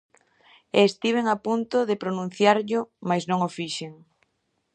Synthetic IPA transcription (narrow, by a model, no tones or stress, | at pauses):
eːst̪iβ̞eŋapunt̪ʊðɪpɾonũn̟θjaɾʎʊmajznõŋofiʃeŋ